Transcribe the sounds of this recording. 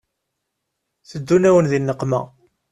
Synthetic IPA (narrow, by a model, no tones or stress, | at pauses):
θəd̪ːunæwənðinːəqːmæ̰